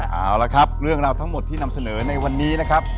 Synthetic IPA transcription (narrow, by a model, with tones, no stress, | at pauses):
ʔa̰ː˧˩wla˦˩kʰɾa˦˥p̚ɾɯ˥˩əŋɾaː˧wt̪ʰa˦˥ŋmo˨˩t̪ʰːiː˥˩na˧msa˧nɤː˩˦na˧jwa˧nːiː˦˥na˦˥kʰa˦˥p̚